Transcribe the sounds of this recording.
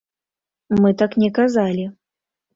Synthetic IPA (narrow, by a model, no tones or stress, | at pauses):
mɨt̪aknʲɛkazalʲi